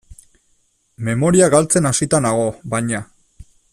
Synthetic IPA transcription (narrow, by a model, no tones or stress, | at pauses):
me̞mo̞ɾiaɣalt͡se̞nasit̪anaɣ̞o̞bajɲa